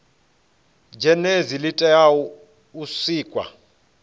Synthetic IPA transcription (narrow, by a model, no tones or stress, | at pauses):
d͡ʒʱɛnezilitʼɛjawu | usiːkʼwa̰